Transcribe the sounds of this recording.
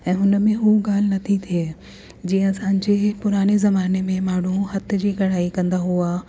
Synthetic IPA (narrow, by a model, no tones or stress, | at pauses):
ɛ̃ːɦʊnmẽɦuɡaːl̤ɪnɐt̪ʰit̪ʰie | d͡ʑiːə̃ɐsãːɲd͡ʑepʊɾaːñezɐmaːnemẽmaːɳ̤ũhɐt̪ʰʊ̆d͡ʑiːɡɐɽ̤aːikɐ̃nd̪aɦuaː